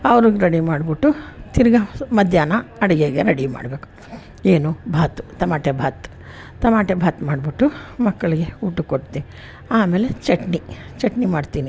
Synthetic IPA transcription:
ɐʋɾuɡɾeɽimaːɽbiʈːut̪iɾɡɐmɐd̪ʱjaːnɐɐɽɐɡeːɡeɾeɽima̰ːɽbe̞ːku̥ | eːnubʱaːt̪u̥t̪ɐmaːʈebʱaːt̪ | t̪ɐmaːʈebʱaːt̪maːɖbiʈːumɐkːɐɭiɡe̞uːʈːukoʈt̪ei | aːme̞ːlet͡ʃeʈnit͡ʃeʈnimaːɖt̪iːni

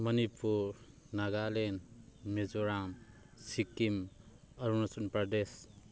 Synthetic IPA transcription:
mʌnipʰuɾ | naɡalenmezuɾam | sikim | ɐɾunasunpɾades

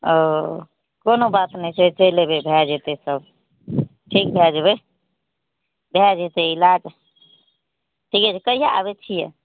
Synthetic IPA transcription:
o | konobat̪nəjset͡ʃəjlebebʱɛd͡ʒɦet̪esəb | ʈʰik̚bʱɛd͡ʒbe | bʱɛd͡ʒɦet̪eilad͡ʒ | ʈʰikɛt͡ʃʰikəijaa̰bet͡ʃʰijḛ

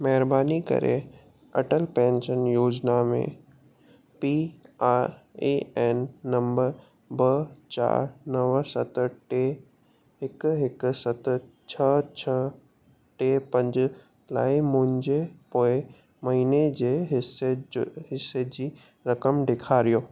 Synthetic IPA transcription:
mɛɦɪɾbaːnikɐ̰ɾḛ | ɐ̰ʈəlpɛ̃ːnʃənjoːd͡ʑnamḛ̃ | piaːɾeːɛːnːɐ̃mbəɾ | bɐt͡ɕa̰ːɾnɐʋsɐt̪ʈe | ɦɪkɦɪksɐt̪ | t͡ɕʰɐt͡ɕʰɐ | ʈepɐ̃ɲd͡ʑ | la̰ːɪmʊ̃ɦɪ̃ɲd͡ʑepoːɪ | mɐɦiːned͡ʑeːɦɪseɦɪsed͡ʑiː | ɾɐkəmɖekʰaːɾijoː

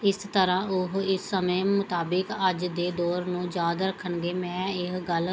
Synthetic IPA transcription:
ɪst̪əɾãːʊɦɪsːəmẽːmʊt̪aːbɪkəd͡ʒd̪eːd̪oːɾnũːd͡ʒaːd̪ɾəkʰːəɳɡeːmɛ̃ːɪkɡəl

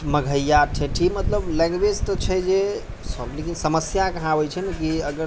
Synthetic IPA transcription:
məɡʱəjːaʈʰẽʈʰimət̪ləblɛ̃ŋɡwed͡ʒt̪ɔt͡ʃʰɛd͡ʒe | sɔblekinsəməsjakəɦãbɛt͡ʃʰənkiəɡəɾ

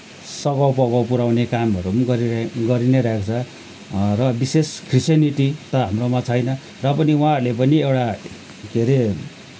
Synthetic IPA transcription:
sʌɡʌwpʌɡawpuɾawnekamʌɾumɡʌɾiɡʌɾinʌɾaekʰt͡sʰʌ | rʌbiseskrisjʌniʈit̪ʌɦamromat͡sʰʌjnʌ | rʌpʌniwãɾulep̬ʌniewʈa | ɡʱeɾe

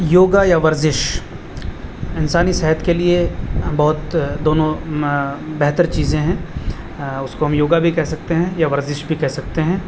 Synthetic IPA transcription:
joːɡajaʋɐɾzɪʃ | ɪnsaːnisɛɦət̪keliebɐɦʊt̪d̪oːnõ | bɛɦt̪əɾt͡ʃiːzẽɦɛ̃ː | ʊskoɦɐmjoːɡabʱikɛɦsɐk̚t̪eɦɛ̃jaʋɐɾzɪʃbʱikɛɦsɐk̚t̪eɦɛ̃ː

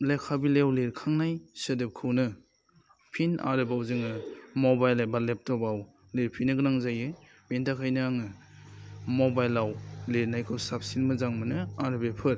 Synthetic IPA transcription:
lekʰabilewleɾkʰaŋnajsɯdɯp̚kʰɯwnɯ | pʰinʔa̰ɾɯbawzɯŋɯmɔbajlebalep̚tɔbaw | leɾpʰinːɯɡɯnaŋzajɯ | bentakʰajnɯaŋɯ | mobajlːawleɾnajkʰɯwsap̚sinmɯzaŋmɯnɯaɾɯbepʰɯɾ

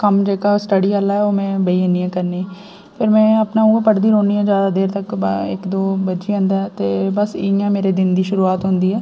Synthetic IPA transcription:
kɐmd͡ʒeːkasʈəɽialaɦɛoːmɛ̃bɐiəniɛ̃kɐɾniɛ | pʰɪɾmɛ̃ːɐpnauːapɐɽd̪iɾõːniɦɛ̃d͡ʒjaːd̪ad̪eːɾt̪ɐkeːkd̪oːbɐt͡ʃiə̃nd̪ɦɛt̪ebɐsiːjãmeːɾed̪ɪnd̪iʃʊɾuaːt̪ɦõːnd̪iɦɛː

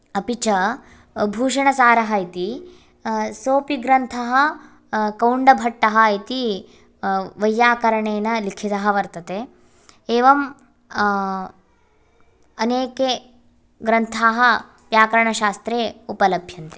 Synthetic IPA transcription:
ɐpit͡ʃɐ | bʱuːʂɐɳɐsaːɾɐɦɐit̪i | soːpiɡɾɐnt̪ʰɐɦɐ | kɐwɳɖɐbʱɐʈːɐɦɐit̪i | ʋɐjːaːkɐɾɐɳeːnɐlikʰit̪ɐɦɐ̆ʋɐɾt̪ɐt̪e | eːʋɐm | ɐneːke | ɡɾɐnt̪ʰaːɦɐ | pjaːkɐɾɐɳɐʃaːst̪ɾeːupɐlɐbʱjɐnt̪e̥

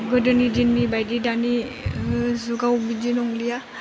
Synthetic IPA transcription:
ɡədənidinmibajdidani | zuɡaubid͡ʒinɔŋlija

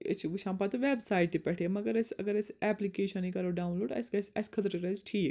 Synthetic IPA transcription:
ḛt͡ʃʰiʋuʃãːmpat̪ɐʋeːbsaːɪʈ̪ipɛʈʰemɐɡəɾɐsɐɡəɾɐsɛːplikeːʃɐnikɐɾoɖaːunloːɖɐ̰skɐsɐskʰɐt̪ɾɾɐzʈʰiː

